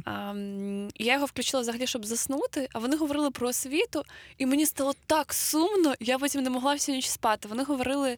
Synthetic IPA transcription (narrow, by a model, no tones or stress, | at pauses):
jajɔɦɔfklʲʉt͡ʃɪlˠɐvzɐɦɐlʲiʃt͡ʃɔbzɐsnut̪ɪʔɐʋɔnɪɦɔʋɔɾɪlˠɨpɾɔsʲʋʲit̪ʊimenʲist̪ɑlˠɔt̪ɑksumnɔjapɔtʲimnɛmɔɦlˠɑwsʲenʲit͡ʃspɑt̪ɪʋɔn̪ɪɦɔʋɔɾɪlˠɪ